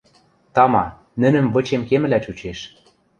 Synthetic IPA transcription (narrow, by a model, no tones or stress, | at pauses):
t̪ɑmɑ | nɘ̆nɘ̆mβɤ̆t͡ɕemkemɘ̆læt͡ɕut͡ɕeʃ